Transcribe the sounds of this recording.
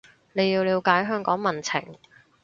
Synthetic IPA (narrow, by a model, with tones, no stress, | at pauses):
ne˨˧jːiː˧wliː˧wkaː˨˥jɦœː˥ŋkɔː˨˥ŋmɐ˨˩nt͡sʰɪ̰˨˩ŋ